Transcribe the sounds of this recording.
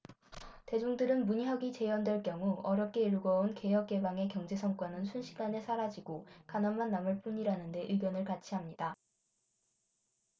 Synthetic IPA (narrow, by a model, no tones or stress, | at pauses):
te̞d͡ʑuŋdɯɾɯnmuɲɦjʌɡit͡ɕe̞jʌndwe̞ɭk͈jʌŋuʌɾjʌp̚k͈ʰe̞iɭuɡʌunke̞jʌk̚k͈e̞baŋe̞kjʌŋd͡ʑe̞sʰʌŋk͈wʌnɯnsʰunɕʰiɡanesʰaɾad͡ʑiɡokanʌnmanːamɯɭp͈uɲiɾanɯnde̞ʔɯɡjʌnɯɭkat͡ɕʰiɦamɲida